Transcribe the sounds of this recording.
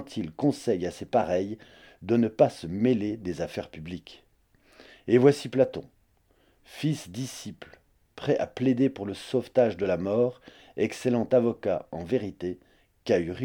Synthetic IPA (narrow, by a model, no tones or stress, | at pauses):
t̪ʰilkɔ̃sɛjasepaʁɛj | d̪ənəpasəmeled̪ezafɛʁpyblik | evwasiplat̪ɔ̰̃ | fisd̪isipl | pχɛʔa̰pled̪epuʁləsoft̪aʒd̪əlamɔːʁ | ɛkselɑ̃t̪avɔka̰ɑ̃veʁit̪e | kayʁ